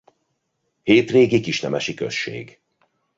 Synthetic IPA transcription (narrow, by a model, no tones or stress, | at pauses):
heːt̪reːɡikiʃnɛmɛʃikø̰ʃːḛːɡ